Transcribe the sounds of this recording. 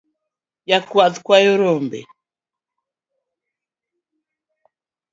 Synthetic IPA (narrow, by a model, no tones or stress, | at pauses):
jakwaðkwajɔɾɔmbɛ̰